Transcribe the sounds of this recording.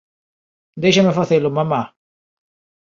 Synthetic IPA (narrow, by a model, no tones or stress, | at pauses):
d̪ejʃamefaθelomama